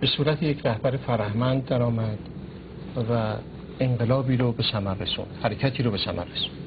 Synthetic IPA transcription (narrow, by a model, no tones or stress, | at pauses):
b̥e̞suːɾæt̪ʰejecʰɾæhbæɾefæɾæhmænd̪̚ːæɾɒːmæd̪̥ | væ | eɴɢe̞lɒːbiːɾobe̞sæmærːesṵːnd̪̥hæɾecʰæt̪ʰiːɾobe̞sæmæ̰rːesu̥nnd̪̥